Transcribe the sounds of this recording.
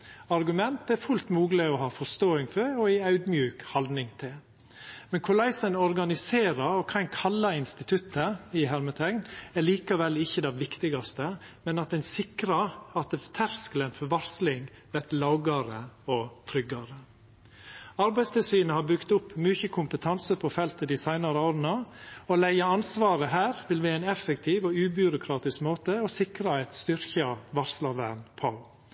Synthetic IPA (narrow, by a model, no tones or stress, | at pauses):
ɑɾɡʉmɛnt̪æɾfʉlt̪muːɡlɪɔhɑːfɔst̪oːɪŋfɔɾɔæɪɑʉd̪mjʉːkhɑld̪nɪŋt̪ʰɪl | mɛnkʰʊlæɪsənɔɾɡɑnɪseːɾɑɾɔkʰɑɪnkʰɑlːɑɪnst̪ɪt̪ʰʉt̪ʰːəɪɦæɾmət̪ʰɛŋɡnæɭiːkɑʋɛlːɪçːəd̪ɛʋɪkt̪ɪɡɑst̪əmɛnɑt̪̚d̪ɛnsɪkɾɑɾɑt̪t̪ʰæɾskələnfɔɾʋɑɾslɪŋ | ʋɛt̪lɑʊɡɑɾəɔt̪ʰɾʏɡːɑɾə | ɑɾbæɪst̪ʰɪlsyːnəhɑbʉkt̪ʊpːmʉːçəkʰʊmpət̪ʰɑnsəpʰɔfɛlt̪əd̪ɪsæɪnɑɾəoːɾənɑɔlæɪɑɑnsʋɑːɾəɦæːɾʋɪlʋɪæɪnɛfək̚t̪ʰiːʋɔʉːbʉɾʊkʰɾɑːt̪ɪskmoːt̪əɔsɪkɾɑæɪt̪st̪ʏɾçɑʋɑɾslɑʋæːɳpʰɑ